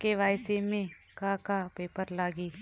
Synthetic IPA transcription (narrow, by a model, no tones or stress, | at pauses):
keʋaːɪsemẽ | kakapeːpəɾlaːɡiː